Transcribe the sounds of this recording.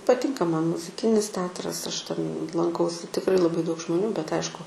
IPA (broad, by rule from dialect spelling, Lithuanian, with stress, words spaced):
pɐˈtʲɪŋkɐ ˈmɐn mʊzʲɪˈkʲɪnʲɪs ˈtʲɛɐtrɐs ˈɐʃ tʲɛn lˠɐŋˈkɐʊsʲɪ tʲɪkˈrɐɪ lˠɐˈbɐɪ dɐʊk ʒmoːˈnʲuː bʲɛt ˈɐɪʃkʊ